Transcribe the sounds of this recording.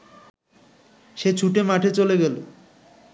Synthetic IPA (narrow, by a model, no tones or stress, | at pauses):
ʃet͡ɕʰuʈemaʈʰet͡ɕoleɡɛlo̰